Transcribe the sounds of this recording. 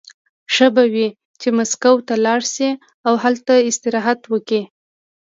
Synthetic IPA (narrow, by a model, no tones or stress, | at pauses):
ʃəbawi | t͡ʃemaskawt̪alɑɽsi | awhalt̪aɪst̪ɪɾɑɦat̪wəki